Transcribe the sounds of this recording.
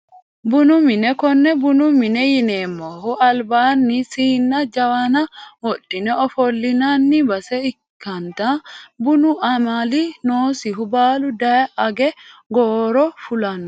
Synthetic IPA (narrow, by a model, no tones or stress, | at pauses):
bʊnʊmɪnɛkɔnːɛbʊnʊmɪnɛjɪneːmːohʊɐlbaːnːisiːnːɐd͡ʒɐwanɐwɔɗːɪnɛɔfɔlːɪnanːɪbɐsɛɪkːɐnt̪abʊnʊʔɐmalinoːsɪɦʊbaːlʊd̪ɐjʔɐɡɛɡoːɾɔfʊlɐnːɔ